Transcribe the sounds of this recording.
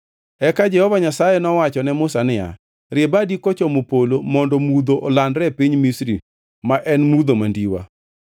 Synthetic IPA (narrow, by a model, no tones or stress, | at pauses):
ɛkad͡ʒɛhɔvaɲasajɛnɔwat͡ʃɔnɛmʊsanɪja̰ | ɾɪebadikɔt͡ʃɔmopolomɔndɔmud̪oʔɔlandɾɛpiɲmisɾi | maʔɛnmud̪omandiwa̰